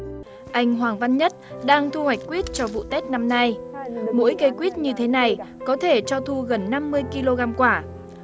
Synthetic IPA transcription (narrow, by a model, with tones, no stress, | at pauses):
ʔa˧jŋ̟ɦwaː˨˩ŋva˧nɲə˦˥t̚ɗaː˧ŋt̪ʰu˧hwa˨˩jk̟̚kːwi˦˥t̚t͡ɕɔ˧vṵ˧˨t̪e˦˥t̚na˧mna˧jmo̰˧˥jkə˨˦jkwi˦˥ət̚ɲɨ˧t̪ʰe˨˦na˨˩jkɔ˨˦t̪ʰe˧˩t͡ɕɔ˧t̪ʰu˧ɣə˨˩nːa˧mːɨ˧əjki˧lo˧ɣaː˧mkwaː˧˩